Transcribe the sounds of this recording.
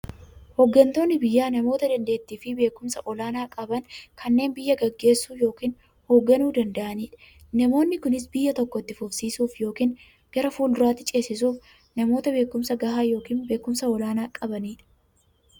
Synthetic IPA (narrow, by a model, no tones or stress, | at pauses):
hɔɡːɐnt̪o̞ːnːɪbɪjːaːnɐmo̞ːt̪ɐd̪ɐnd̪e̞ːt̪ːiːfɪbe̞ːkʊmsɐʔɔlaːnaːkʼɐbɐnkʰɐnːe̞ːnbɪjːɐɡɐɡːe̞ːsːuːjo̞ːkiːn | hoːɡːɐnuːd̪ɐnd̪ɐʔɐniːᶑɐ̥ | nɐmo̞ːnːɪkʊnɪsbɪjːɐt̪ɔkːɔt̪ːɪfʊfsiːsuːfjo̞ːkiːn | ɡ̥ɐɾɐfuːld̪ʊɾaːt̪ːɪt͡ʃʼe̞ːsːɪsuːf | nɐmo̞ːt̪ɐbe̞ːkːʊmsɐɡɐhaːjo̞ːkiːnbe̞ːkːʊmsɐɔlaːnaːkʼɐbɐniːᶑɐ̥